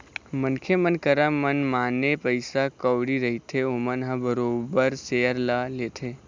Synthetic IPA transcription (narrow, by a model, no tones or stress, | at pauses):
mənkʰemənkəɾamənmanepəjsakəʋɽiɾəɦit̪ʰeomənɦãbəɾobəɾsejəɾlalet̪ʰe